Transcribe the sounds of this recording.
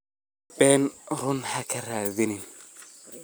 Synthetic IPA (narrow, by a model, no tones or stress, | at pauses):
bɛnɾʊnhakʰɐɾaːðɪnɪn